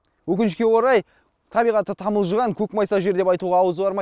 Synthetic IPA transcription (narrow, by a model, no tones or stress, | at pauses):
wɵkʲɪnʃkʲe̞wo̞ɾɑj | t̪ʰɑbijʁɑt̪ːət̪ʰɑməlˠʒəʁɑŋkʲʰɵkmɑjsɑʒe̞ɾd̪e̞pɑjt̪uʁɑːwəzbɑɾmɑ